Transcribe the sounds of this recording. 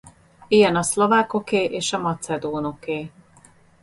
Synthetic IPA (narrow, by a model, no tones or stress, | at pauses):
ijɛnɒslo̞vaːko̞keːʔeːʃɒmɒt̪sɛd̪oːno̞keː